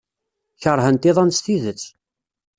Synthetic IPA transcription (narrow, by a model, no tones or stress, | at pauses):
çəɾˤhənt̪ːɪðˤænsθiðət͡sː